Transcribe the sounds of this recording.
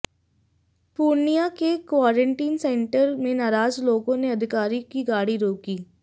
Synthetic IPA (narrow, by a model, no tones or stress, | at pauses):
puːɾnijakekwaːɾə̃ɳʈiːnsɛ̃ːɳʈəɾmẽnaːɾaːzloːɡõneɐd̪ʱɪkaːɾikiɡaːɽiɾoːkiː